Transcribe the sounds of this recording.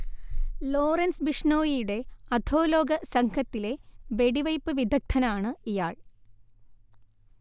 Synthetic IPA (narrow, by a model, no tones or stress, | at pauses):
lo̞ːrɐnsbiʂɳoːjijuɽe̞ɐd̪ʱʰo̞ːlo̞ːɡɐsɐŋkʰɐt̪ːile̞ʋe̞ɽiʋɐjpːɨʋid̪ʱɐk̚t̪ʰɐnɐaːɳɨijaːɭ